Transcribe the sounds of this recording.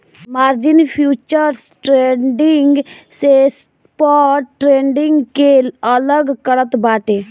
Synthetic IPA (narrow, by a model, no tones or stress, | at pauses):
maːɾd͡ʒɪnpʰjuːt͡ʃəɾsʈɾeːɖɪŋɡses | pɔːʈːɾeːɳɖɪ̃ŋɡkeələɡkəɽət̪baːʈeː